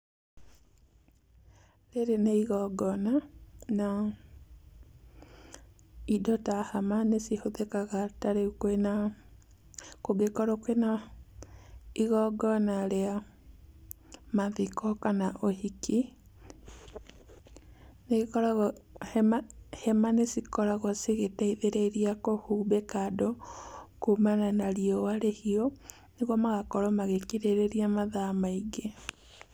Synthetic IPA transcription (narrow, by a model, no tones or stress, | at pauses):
ɾeɾeneiɣɔɡɔnana | idɔtahamanesihoðekaɣataɾekwena | koɡekɔɾokwena | iɣɔɡɔnaɾea | maðikɔkanaʔohiki | neɣekɔɾaɣmahɛmanesikɔɾaɣɔsiɣetaiðeɾeɾiakohuːbekadokomananaɾiɔwaɾehiɔ | neɣwɔmaɣakɔɾɔmaɣekiɾeɾeɾiamaðamaiɡe